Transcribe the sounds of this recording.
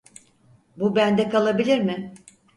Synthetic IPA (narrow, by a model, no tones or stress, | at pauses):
bubænd̪ɛkalˠabilʲiɾmɪ